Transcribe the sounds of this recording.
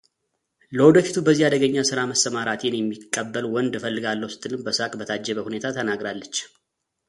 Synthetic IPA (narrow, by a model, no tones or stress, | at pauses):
ləwɔd̪əfit̪ʰubəzːihad̪əɡəɲːasɨɾaməsːəmaɾat̪ʰenjɛmːikʼːəbːəlwɔnd̪fəlːɨɡalːəwsɨ̥t̪ʼːɨlɨmbəsakʼbət̪ʰad͡ʒːɛβəhune̞t̪ʰat̪ʰənaɡɾalːət͡ʃː